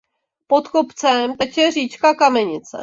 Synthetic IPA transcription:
pot̪kopt͡sɛmt̪ɛt͡ʃɛriːt͡ʃkakamɛɲɪt͡sɛ̰

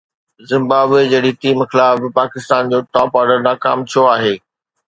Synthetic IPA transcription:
zɪ̃mbaːbed͡ʑɐɽit̪iːmxɪlaːɪpaːkɪst̪aːnd͡ʑoːʈɔːpɔːɾɖəɾnaːkaːmt̪ʰijoaːɦeː

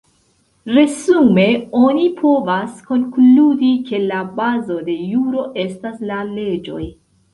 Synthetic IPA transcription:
ɾe̞zume̞o̞nipʰo̞vasko̞nkludike̞labazo̞de̞juɾo̞ʔe̞staslale̞d͡ʒo̞̰j

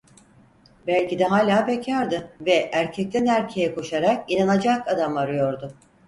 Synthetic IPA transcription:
bælʲcid̪ɛɦaːlʲaːbɛcʰaɾd̪ɯvɛʔæɾcʰɛc̚t̪ʰænæɾcʰejɛkʰo̞ʃaɾak̚inanad͡ʒakad̪amaɾɯjo̞ɾd̪ʊ

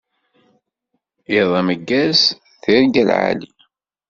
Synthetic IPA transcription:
iðˤɑməɡːæs | θiɾiɡælʕa̰lḭ

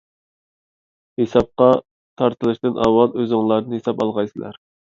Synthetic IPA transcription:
hesɑp̚qɑ | t̪ʰɑɾt̪ʰɨlˠɨʃt̪ɨnʔɑwɑlˠøzɪŋlˠɑɾnɨhesɑpɑlˠʁɑjsɨlˠæ̰ɾ

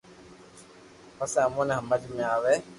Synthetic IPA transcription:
pəsẽːəmõːneɦəməd͡ʒmẽaːʋeː

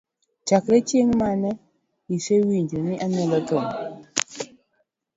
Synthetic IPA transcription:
t͡ʃakɾet͡ʃjeŋmanɛ | isewind͡ʒoniʔanɛlatoŋ

